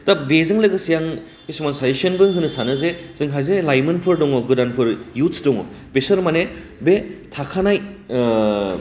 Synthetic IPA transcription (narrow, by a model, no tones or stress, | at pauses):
tabezɯŋlɯɡɯsijaŋ | kisimansajisiɐnbɯŋhɯnɯsanɯzez̥ɯŋɦazelajmɯnpʰɯɾdɔŋɔɡɯdanpʰɯɾjutʰdɔŋɔ̰ | besɯɾmane | betʰakʰanaj